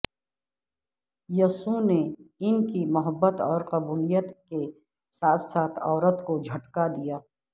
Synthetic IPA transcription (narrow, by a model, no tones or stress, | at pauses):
jɐsuneɪnkimʊɦəbːət̪ɔːɾqɐbuːlijət̪ke | saːt̪ʰsaːt̪ʰɔːɾət̪kod͡ʒʱɐʈkad̪ijaː